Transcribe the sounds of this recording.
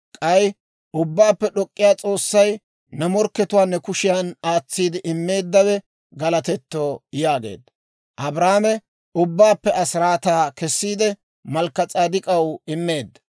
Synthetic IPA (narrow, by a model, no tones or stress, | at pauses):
kʼɐj | ʊbːaːpːɛɗɔkʼːɪjaːt͡sʼo̞ːsːɐj | nɐmɔɾkːɛt̪ʊwaːnːɛkʊʃɪjanaːt͡sːiːd̪ɪʔɪmːe̞ːd̪ːɐwɛ | ɡɐlɐt̪ɛt̪ːoːjaːɡḛːd̪ːɐ | ʔɐbɾaːmɛ | ʊbːaːpːɛʔɐsɾaːt̪aːkɛsːiːd̪ɛ | mɐlkːɐt͡sʼaːd̪ɪkʼɐwɪmːe̞ːd̪ːɐ̥